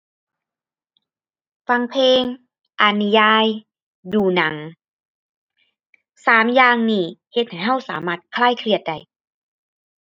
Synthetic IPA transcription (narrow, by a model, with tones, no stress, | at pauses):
fa˧ŋpʰeː˧ŋ | ʔa˧˩ni˧jaː˧j | duː˧˩na˩˦ŋ | saː˩˦mjaː˧ŋniː˧˩he˧t̪̚ha˨˩jɦa˧˥˩wsa̰ː˩˦maː˧˩t̪̚kʰlaː˥˩jkʰlɯ˧˩ət̪̚da˧˩j